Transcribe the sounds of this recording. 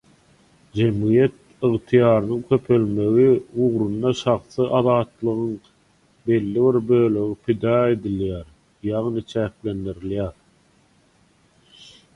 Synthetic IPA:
d͡ʒe̞mɣijet̪̚ | ɯʁt̪ʰijɑːɾɯnɯŋkʲʰø̞pʰø̞lme̞ɣiuʁɾund̪ɑʃɑχθɯʔɑðɑːt̪lˠɯʁɯŋ | be̞lːiβiɾbø̞ːlø̞ɣipʰid̪ɑːe̞d̪iljæːɾ | jɑʁnɯt͡ʃʰæːkle̞nd̪iɾiljæːɾ

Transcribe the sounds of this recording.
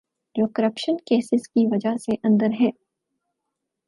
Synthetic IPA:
d͡ʒoːkəɾəpʃənkeːsɪzkiʋɐd͡ʒaseʔɐ̃nd̪əɾɦɛ̃ː

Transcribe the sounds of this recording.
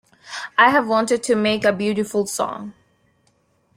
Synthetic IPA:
aɪəvwɔ̃ntɨd̚tʰɨmeɪkəbjʉɾɪfəlˠsɔ̰̃ŋ

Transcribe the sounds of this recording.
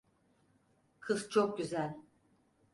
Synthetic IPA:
kʰɯzt͡ʃʰok̚ɟyzælʲ

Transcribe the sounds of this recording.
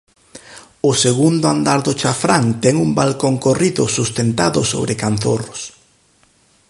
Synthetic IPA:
ʊseɣund̪ʊand̪aɾðʊt͡ʃafɾaŋt̪ɛŋumbalkoŋkoriðʊ̰sust̪ent̪aðʊso̰βɾekanθo̰rʊs

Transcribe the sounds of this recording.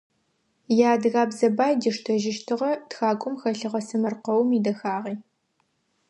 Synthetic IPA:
jaːdɣaːbzɐbaːjdiʂtʰɐʒɪʃtʰɨʁɐtxaːkʷʼʊmxɐɬɨʁɐsɨmɐrqɐwmidɐxaːʁiː

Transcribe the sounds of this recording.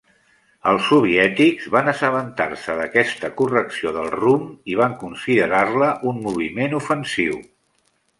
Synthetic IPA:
əlˠsuβ̞iɛt̪iɡzβanəsəβənt̪a̰ɾsəðəkɛst̪əkurəksioðəlˠrumiβ̞aŋkunsiðəɾarləʔunmuβ̞imenufənsiw

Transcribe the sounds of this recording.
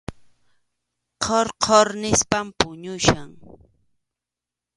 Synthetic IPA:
qʰoɾqʰoɾnɪspampʊɲʊʃaŋ

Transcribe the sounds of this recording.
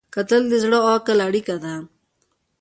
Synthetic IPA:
kɐt̪ɐld̪izɽoaːkɐlaɽikɐd̪a

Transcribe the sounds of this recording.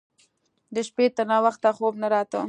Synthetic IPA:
d̪əʃpet̪əɾnɑwaxt̪axobnaɾɑt̪ə̰

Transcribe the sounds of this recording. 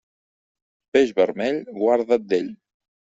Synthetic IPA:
peʒβəɾmɛʎɡwaɾðad̪eʎ

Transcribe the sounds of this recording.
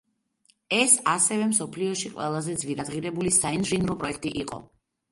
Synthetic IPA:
ɛsasɛvɛmsɔpʰliɔʃiqʼwɛlˠazɛd̪zviɾad̪ʁiɾɛbulisainʒinɾɔpʼɾɔɛk̚ʰt̪ʼiʔiqʼɔ̰

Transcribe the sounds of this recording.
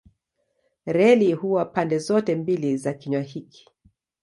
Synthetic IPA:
ɾɛlihuwapandɛzɔtɛmbilizakiɲwahiki̥

